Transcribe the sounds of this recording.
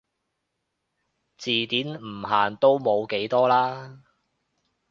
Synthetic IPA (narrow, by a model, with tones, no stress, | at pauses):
t͡siː˨t̪iː˨˥nm̩˨˩ɦa̰ː˨˩nt̪o˥wmo˨˧wke˨˥jt̪ɔː˥laː˥